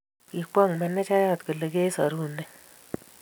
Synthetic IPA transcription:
i˨kʷa˦˨ŋmɛ˨nːɛ˦t͡ʃa˦ja˦˨t̪ku˨le˨ke˦sa˨ɾu˦˨nːɛ˦

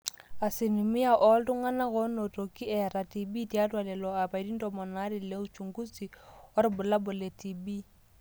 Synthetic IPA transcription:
a˨sɪ˨nu˨mi˦a˨ʔɔ˦ltʊ˦ŋa˦na˦ɣo˦no˨tʼo˨ki˦ɛ˨ɾa˨ti˨bi˦ti˦a˦tʼwa˨lɛ˨lɔ˨a˨pa˨i˦di˦n̩˦tʼɔ˦mɔ˨na˦dɪ˨le˦ʊ˦t͡ʃu˨ŋɡu˦t͡si˨ʊ˦ɾɪ˦bʊ˨la˦bʊ˨le˨tʼi˨bi˦

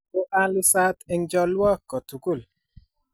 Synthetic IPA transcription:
o˦ʔa˦lɪ˦sa˦t̪ɪ˦ŋd͡ʒɔ˦lwa˦kːɔ˨t̪u˨ku˦˨l

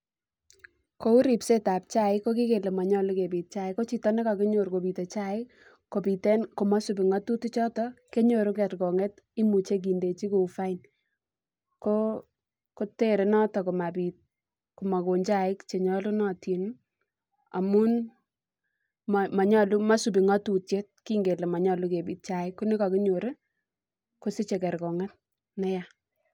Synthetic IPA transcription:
ko˦u˦ɾi˨pse˦ta˨p̚t͡ʃa˦˨ɪ˦kːo˦ki˦ke˨le˨mɔ˨ɲɔ˦lu˦ke˨pi˨t̚t͡ʃa˦˨ɪ˦kːo˦t͡ʃi˨tɔ˦nɛ˦ka˨ke˦ɲo˨ɾko˨bi˨tɔ˨t͡ʃa˦ɪ˦ | ko˨pi˨te˦nko˨mɔ˦su˨pɪ˨ŋɔ˦tu˦tu˦t͡ʃɔ˦tɔ˦ke˦ɲo˨ɾu˦ɡɛ˨tkɔ˨ŋe˦t | i˦mu˨t͡ʃe˦k̬i˨nde˨t͡ʃi˦ku˨fa˦ɪn | ko˦ | ko˦te˦ɾe˨nɔ˦tɔ˨ko˨ma˨bi˨t̚ | ko˨ma˨ko˨ɲd͡ʒa˦ɪ˦kt͡ʃe˨ɲɔ˦lʊ˦nɔ˦ti˨n | a̰˨mu˦n | mma˨ɲɔ˦lu˦ma˦su˨bɪ˨ŋɔ˦tu˨tje˦t̚ki˦ŋɡe˨le˨ma˨ɲɔ˦˨lu˦ke˨bi˨t̚t͡ʃa˨ɪ˦kːo˦nɪ˦ka˨ki˦ɲo˨ɾe˦ | ko˦sɪ˦t͡ʃe˨kɛ˨ɾkɔ˨ŋɛ˦t̚ | nɛ˦ja˨

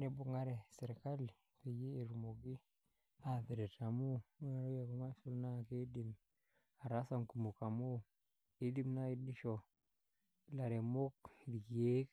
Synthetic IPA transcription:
ne˨bu˨ŋa˦ɾe˨se˨ɾka˦l | fe˨jeː˦˨ɾu˨mo˨ɡi˦ | a˨fe˨ɾe˨ta˨mu˦ŋa˦ɾo˦ja˨ko˦ma˦su˦lna˦˨ke˦di˨m | a˨ɾa˦sa˦˨ŋku˨mu˨ka˨mo˦ | i˦di˦mna˦i˦di˦ʃo˨˦ | la˨ɾe˨mo˦kdi˨ki˨je˦k

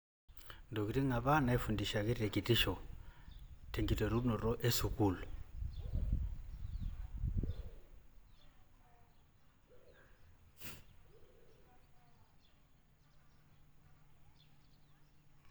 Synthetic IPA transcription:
ndɔ˨ki˨ti˦ŋa˨βa˦na˨ɛ˦fu˨ndi˨ʃa˨ki˦tɛ˨ki˨ti˦ʃɔ˨ | tʰɛ˨ŋɡi˨tɛ˨ɾu˦nɔ˨ɾɔ˦ʔɛ˦su˨ku˨lu˨

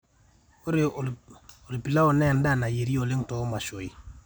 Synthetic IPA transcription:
o˦ɾe˨ | o˨lpi˨la˦o˨nɛ˦˨n˦da˦na˨je˨ɾi˦o˨le˦ŋtɔ˨o˦ma˨ʃo˨i˨

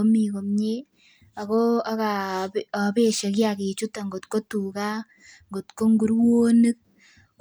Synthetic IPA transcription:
o˦mi˨ko˨mɲe˦ | a˨ko˦a˦ka˨a˨be˦ʃe˨kja˨ke˨t͡ʃu˦ta˨ŋɡo˨tko˦tu˨ka˦ | ŋɡo˨tko˦ŋɡu˦ɾwoː˦ni˦k̚

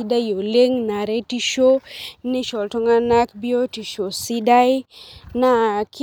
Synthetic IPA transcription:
i˦da˦jo˨le˦ŋna˨ɾe˦ti˦ʃo˦nɪ˦ʃɔ˨lto˦ŋa˦na˦kbi˦o˦ti˨ʃo˨si˦da˦jna˦k

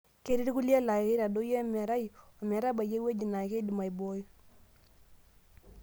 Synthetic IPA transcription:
ke˦ɾi˦ɾku˦lja˦la˨ke˦ɾa˨do˦je˦mɛ˨ɾa˦jo˨mɛ˨ɾa˦ba˨je˦we˦d͡ʒi˨na˨ke˦di˨ma˨jbo˨˦j

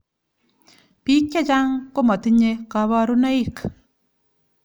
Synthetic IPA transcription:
pi˦kːɛ˦t͡ʃa˦ŋko˦ma˨t̪i˦ɲe˦ka˨βa˦ɾu˦na˦i˦˨k

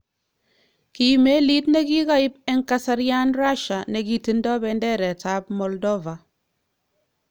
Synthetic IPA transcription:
ki˨me˦li˦tne˦ki˦ka˦ɪ˦p̚ɛ˦ŋka˦sa˦ɾja˦nra˦ʃa˨ne˨ki˨ti˦ndɔ˦bɛndɛ˦ɾɛ˨ta˨˦p̚mɔ˨ldɔ˦va˨

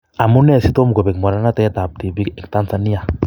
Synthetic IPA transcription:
a˨mu˦nɛ˦˨si˦to˦mu˨ɡo˨bɛ˨kma˨ɾa˦na˦tɛ˦ta˨p̚ti˨bi˦kɛ˨kta˦nsa˨ni˦a˨

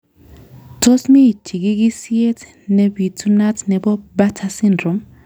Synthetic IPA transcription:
to˦smi˦˨tʰi˨ki˦ki˦si˦e˦tʰ | ne˨bi˨tʰu˦na˦tʰnɛ˨bɔ˦ba˦tʰa˦si˦ndro˨m

